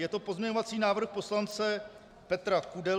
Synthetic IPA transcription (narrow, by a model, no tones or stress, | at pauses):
jɛt̪o̞po̞zmɲɛɲovat͡siːnaːvr̩xpo̞slant͡sɛ | pɛt̪ɾakudɛ